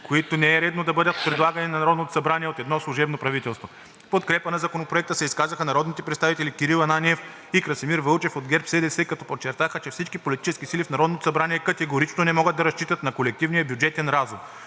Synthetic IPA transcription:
koit̪onɛɛɾɛd̪nod̪ɐbɤd̪ət̪̚pɾɛd̪lˠaɡɐninɐnɐɾɔd̪not̪o̥sɐbɾaniɛot̪ɛd̪nɔslˠuʒɛbnopɾɐvit̪ɛlˠst̪vo | pot̪̚kɾɛpənɐzɐkonopɾoɛk̚t̪əsɛiskazəxənɐɾɔd̪nit̪ɛpɾɛt̪st̪avit̪ɛlikiɾilˠɐnaniɛf | ikɾɐsimiɾvəlˠt͡ʃɛfod̪ɡʲɛɾpsɛd̪ɛsɛkɐt̪ɔpot͡ʃːɛɾt̪axət͡ʃɛfsit͡ʃkipolit̪i̥t͡ʃɛskisilifnɐɾɔd̪not̪o̥sɐbɾaniɛkɐt̪ɛɡoɾit͡ʃnonɛmɔɡəd̪̚d̪ɐɾɐst͡ʃit̪ət̪nɐkolɛk̚t̪ivnijəbjud͡ʒɛt̪ɛnɾazum

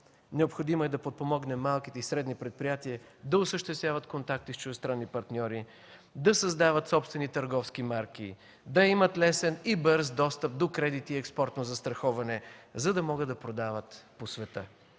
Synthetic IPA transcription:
nɛopxod̪imoɛd̪ɐpot̪̚pomɔɡnɛmːalˠkit̪ɛisɾɛd̪nipɾɛt̪̚pɾijat̪iəd̪ɐʊsəʃt̪ɛst̪vʲjavət̪kont̪ak̚t̪ist͡ʃʊʒɛst̪ɾanːipɐɾt̪nʲɔɾi | d̪ɐsɐzd̪avət̪sɔpst̪vɛnit̪əɾɡɔfskimaɾk̟i | d̪ɐimət̪lɛsɛnibəɾzd̪ɔst̪əp̚d̪okɾɛd̪it̪iɛkspɔɾt̪nozɐst̪ɾɐxɔvɐnɛzɐd̪ɐmɔɡəd̪ɐpɾod̪avət̪posvɛt̪ə

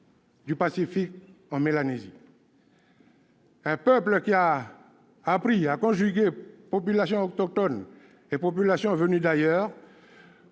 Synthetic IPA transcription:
d̪ypasifik̚ɑ̃melanezi | ɛ̃pœpləkʲiaː | pχiakɔ̃ʒyɡepopylasjɔ̃ɔkt̪ɔk̚t̪ɔn | epopylasjɔ̃vənyd̪ajœːʁ

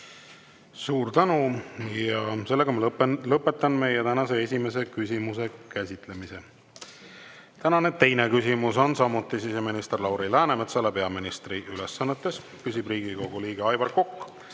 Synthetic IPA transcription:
suːɾt̪ænujɑse̞lːeɡɑmɑllɤpːˑe̞t̪ːˑɑnme̞jɛt̪ænɑse̞e̞sʲime̞s̬e̞kysʲimuse̞kæsʲit̪ˑle̞mise̞ | t̪ænɑne̞t̪e̞jne̞kysʲimuso̞nsɑmut̪ːˑisise̞minist̪erlɑwɾilæːnemet̪sɑlepe̞ɑminist̪riʔylesːɑnːet̪ːˑe̞s | pysʲibriːɡ̥iko̞ɡ̥uliːɡ̥eɑjvɑrkːokː

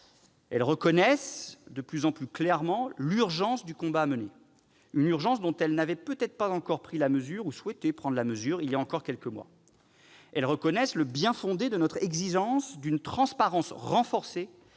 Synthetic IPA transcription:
ɛlʁəkɔnɛsd̪əplyzɑ̃plyklɛʁmɑ̃lyʁʒɑ̃sd̪ykɔ̃baːməne | ynyʁʒɑ̃sd̪ɔ̃t̪ɛlnavɛpøt̪ɛt̪χəpazɑ̃kɔʁpχilaməzyʁuswɛt̪epχɑ̃d̪ʁlaməzyʁiljaɑ̃kɔʁkʲɛlkəmwa̰ | ɛlʁəkɔnɛsləbjɛ̃fɔ̃d̪ed̪ənɔt̪χɛɡziʒɑ̃sd̪ynt̪χɑ̃spaʁɑ̃sʁɑ̃fɔʁse

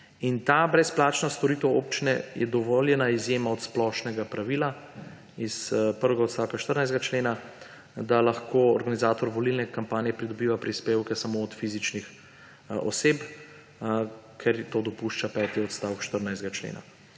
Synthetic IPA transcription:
int̪abɾɛsplaːt͡ʃnɔst̪ɔɾit̪ɛwoːp̚t͡ʃinɛjɛd̪ɔʋoljɛnaizjeːmaɔt̪splɔʃnɛɡapɾaʋila | ispəɾʋɛɡaɔt̪st̪aːwkaʃt̪əɾnajzɡat͡ʃleːna | d̪alaxkoɔɾɡanizaːt̪ɔɾʋɔlilnɛkampaːnjɛpɾid̪ɔbiːʋapɾispeːwkɛsamoɔt̪fizit͡ʃnix | ɔ̰sep | kʰɛɾt̪od̪ɔpuʃt͡ʃapɛːt̪iɔt̪st̪aːwkʃt̪əɾnajzd̪ɡat͡ʃlḛːna̰

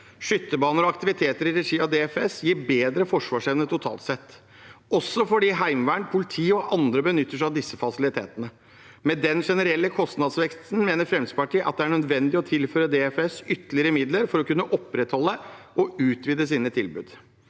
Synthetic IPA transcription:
ʂʏt̪ːəbɑːnəɾɔɑkt̪ɪʋɪt̪ʰeːt̪əɾɪɾɛʂiːɑd̪eːɛfɛsjiːɾbeːd̪ɾəfɔʂʋɑːʂɛʋnət̪ʰʊt̪ʰɑ̰ːlt̪sɛt̪ː | ɔsːɔfɔɖiːɦæɪmʋæːɳpʰʊlɪt̪ʰiːɔʔɑnd̪ɾəbənʏt̪ːəʂæɑʋd̪ɪsːəfɑsɪlɪt̪ʰḛːt̪ənə | mɛd̪ɛnʂɛnəɾɛlːəkʰɔst̪nɑd̪sʋɛkst̪n̩meːnəɾfɾɛmspɑʈʰiːʔɑ̰t̪̚d̪ɛæɳœd̪ʋɛnd̪ɪɔt̪ʰɪlføːɾəd̪eːɛfɛsʏt̪ːəlɪəɾəmɪd̪ləɾfɔɾɔkʉnːəʔɔpːɾɛt̪hɔlːəʔɔʉːt̪ʰʋiːd̪əsiːnət̪ʰɪlbʉ̰ːd̪

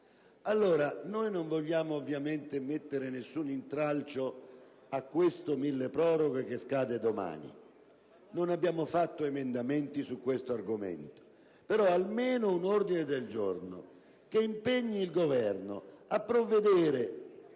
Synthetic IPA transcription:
alːoːɾanojnoɱvoʎːaːmoːvːjament̪emet̪ːeɾɪnesːunint̪ɾalt͡ʃo | akːwest̪omilːepɾɔːɾoɡokeskaːd̪ed̪oma̰ːnḭ | nonabjaːmofat̪ːoemend̪ament̪isukːwest̪oarɡomḛnt̪o̥ | peɾɔalmeːnounord̪ined̪eld͡ʒorno̰ | keimpeɲːiːlɡovɛrno̰apːɾovːed̪ɛːɾe

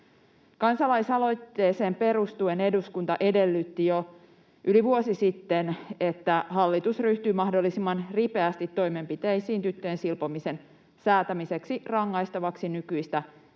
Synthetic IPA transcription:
kɑnsɑlɑisɑlo̞jt̪ːe̞ːse̞ːmpe̞ɾust̪uene̞duskunt̪ɑʔe̞de̞lːyt̪ːijo | ʔyliʋuosisit̪ːene̞t̪ːæɦɑlːit̪usryht̪yːmɑhdo̞lːisimːɑnripe̞æst̪it̪ːo̞jme̞mpit̪e̞jsiːnt̪yt̪ːøjensilpomise̞n | sæːt̪æmise̞ksirɑŋːɑjst̪ɑʋɑksinykyist̪æ

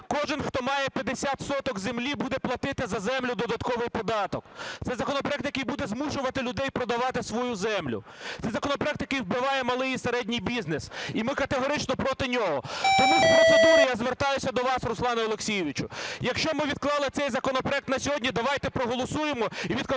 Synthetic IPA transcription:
kɔʒɪnxt̪ɔmɑjɛpʲjɐd̪esʲat̪sɔt̪ɔkzemlʲibud̪ɛplˠɐt̪ɪt̪ɪzɐzɛmlʲʊd̪ɔd̪ɐt̪kɔʋɪjpɔd̪ɑt̪ɔk̚t̪sɛjzɐkɔnɔpɾɔɛk̚t̪jɐkɪjbud̪ɛzmuʃʊʋɐt̪ɪlʲʊd̪ɛjpɾɔd̪ɐʋɑt̪ɪsʋɔjuzɛmlʲʊ̰ | t̪sɛjzɐkɔnɔpɾeɛkt̪jɐkɪjwbɪʋɑjɛmɐlˠɪjiseɾɛdʲnʲijbʲiznesimɪkɐt̪eɦɔɾɪt͡ʃnɔpɾɔt̪ɪnʲɔɦɔt̪ɔmuɔɔujazʋert̪ɑjʊsʲɐd̪ɔʋɑsrʊslˠɑnʊɔlˠeksʲijɪʋʲit͡ʃʊjɐkʃt͡ʃɔmɪʋʲid̪̚klˠɑlˠɪt̪sɛjzɐkɔnɔpɾɔɛk̚t̪nɐsʲɔɦɔdʲnʲid̪ɐʋɑjt̪ɛpɾɔɦɔlˠɔsujemɔiʋʲid̪

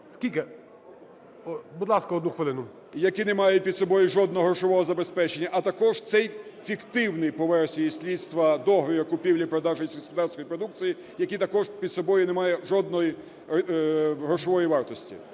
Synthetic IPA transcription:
skʲilʲke | bud̪lˠɑskɐɔd̪nuxʋɪlˠɪnʊ | jɐkinemɑjʊt̚ʲpʲid̪sɔbɔjʊʒɔd̪nɔɦɾɔʃɔʋɔɦɔzɐbespɛt͡ʃenʲːɐʔɐt̪ɐkɔʒt̪sɛjfʲikt̪ɪwnɪjpɔʋɛrsʲijisʲlʲidt̪st̪ʋɐd̪ɔɦɔjʲɐkʊpʲiwlʲipɾɔd̪ɑʒenʲsʲksped̪ɑsʲkɔjipɾɔd̪uk̚t̪t͡s̪iji | jɐkit̪ɐkɔʒpʲid̪sɔbɔjʊnɛmɑjɛʒɔd̪nɔji | ɦɾɔʃɔʋɔjiʋɑrt̪ɔsʲtʲḭ

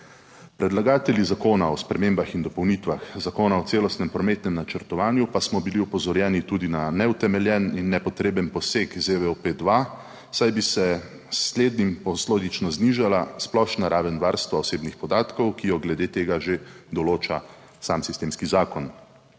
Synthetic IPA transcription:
pɾɛd̪laɡaːt̪ɛljizakoːnaɔspɾɛmeːmbaxind̪ɔpɔwnit̪ʋaxzakoːnaɔt̪seːlɔst̪nɛmpɾɔmeːt̪nɛmnat͡ʃəɾt̪ɔʋaːnjupasmɔbiliɔpɔzɔɾjɛːnit̪ud̪inanɛut̪ɛmɛljɛninːɛpɔt̪ɾeːbənpɔseːkzeʋɛoped̪ʋa | sajbisɛ | sleːd̪nimpɔsloːd̪it͡ʃnɔzniʒalasplɔʃnaɾʔaːʋɛnʋaːɾst̪ʋaɔseːbnixpɔd̪aːt̪kɔwkijɔɡlɛd̪eːt̪eːɡaʒed̪ɔloːt͡ʃa̰ | samsist̪eːmskizaːkɔn

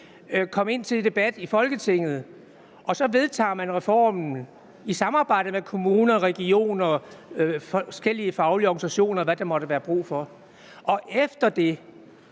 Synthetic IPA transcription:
kʰɒ̽m̰e̝n̰t͡sʰe̝ld̥e̝b̥æd̥ifɒ̽lɡ̥ət͡sʰe̝ŋ̰ð̞̩ˠ | ʔɒ̽sɒ̽ʋe̝ðˠt͡sʰɑ̰ːmænʁɛfɒ̰ːmn̩ | isɑ̈mɑ̈ːb̥ɑ̈ɪ̰d̥əmekʰo̝muːnɐʁɛɡ̥io̝̰ːnɐ | sɡ̥el̰iəfɑ̈ʊliɒːɡ̥nisæɕo̝̰ːnɐʋæd̥emɒ̽ɾ̥əʋæːɐb̥ʁṵːfɒ | ʔɒ̽ʔefd̥ɐd̥e̝

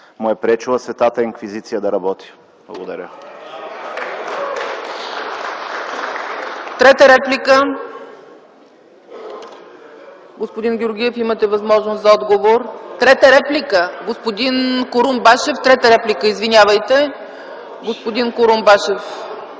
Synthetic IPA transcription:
mʊɛpɾɛt͡ʃulˠəsvɛt̪at̪əiŋkvizit̪sijəd̪ɐɾɐbɔt̪i̥ | b̥lˠɐ̰ɡod̪ɐ̰ɾʲə | t̪ɾɛt̪əɾɛplʲikə | ɡospod̪inɡʲʊɾɡʲiɛfimət̪ɛvɐzmɔʒnost̪zɐɔd̪ɡovoɾt̪ɾɛt̪əɾɛplʲikəɡospod̪inkoɾumbaʃɛft̪ɾɛt̪əɾɛplʲikəizvinʲavəjt̪ɛ | ɡospod̪inkoɾumbaʃɛf

